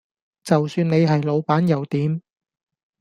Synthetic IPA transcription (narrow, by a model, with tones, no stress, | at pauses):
t͡sɐ˨wsyː˧ne˨˧jɦɐ˨jlo˨˧wpaː˨˥njɐ˨˧wt̪iː˨˥m